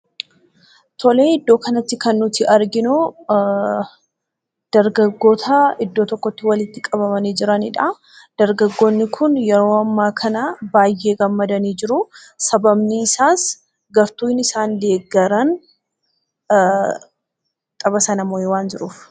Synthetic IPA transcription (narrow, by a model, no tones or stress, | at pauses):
t̪ʰɔleːɪd̪ːo̞ːkɐnɐt̪ːɪkɐnːʊt̪ɪʔɐɾɡɪnʊ | d̪̥ɐɾɡɐɡːo̞ːt̪ʰɐɪd̪ːo̞ːt̪ɔkːɔt̪ːɪwɐlɪt̪ːɪkʼɐβɐmɐniːd͡ʒɪɾɐnɪᶑɐ | d̪̥ɐɾɡɐɡːo̞ːnːɪkʰʊnjɛɾo̞ːɐmːaːkʰɐnabaːjːe̞ːɡɐmːɐd̪ɐniːd͡ʒɪɾʊ | sɐbɐmniːɪsaːs | ɡɐɾt̪uːɪnɪsaːnle̞ːɡːɐɾɐn | t̪ʼɐbɐsɐnɐmojɛwaːnd͡ʒɪɾuːf